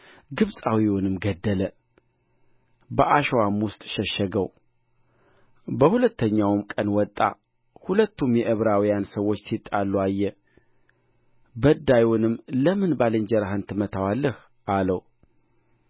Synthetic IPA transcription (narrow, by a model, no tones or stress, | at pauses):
ɡɨβsʼawiwɔnɨmɡəd̪ːələ | bəʔaʃwamwʊst̪ʼʃɛʃːɛɡəw | bəhulət̪ːəɲːawmkʼənwɔt̪ʼːa̰ | hulət̪ʰːumjɛʔɨβɾawijansəwːo̞t͡ʃːsʰit̪ʼːalːuajːɛ | bəd̪ːajunɨmːləmɨnbalɨɲd͡ʒɛɾaɦɨnt̪ʰɨmət̪ʰawalːəh | ʔaləw